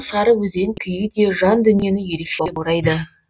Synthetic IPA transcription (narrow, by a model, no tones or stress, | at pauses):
sɑɾəwɵzeŋkʲʰʏjɪd̪e̞ʒɑnd̪ʏnije̞nɪje̞ɾe̞kʃeboɾɑjd̪ə